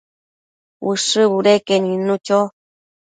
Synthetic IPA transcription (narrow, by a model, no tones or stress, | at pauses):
wɨʂɨβuɾekeɲĩnũt͡ʃo